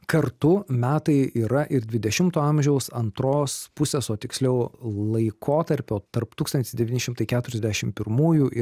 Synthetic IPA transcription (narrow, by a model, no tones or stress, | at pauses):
kɐɾt̪ʊmʲæːt̪ɐɪiːɾɐʔɪɾd̪ʲʋʲɪd̪ʲɛʃʲɪmt̪oːɐmʲʒʲɛʊsɐnt̪ɾoːspʊsʲeːsoːt̪ʲɪksʲlʲɛʊlˠɐɪkʰoːt̪ɐɾʲpʲoːt̪ɐɾpt̪uːkst̪ɐnʲt̪ʲɪsd̪ʲɛʋʲiːnʲɪʃʲɪmt̪ɐɪkʲæːt̪ʊɾʲɛzd̪ʲæʃʲɪmpʲɪɾmuːjuːʔɪ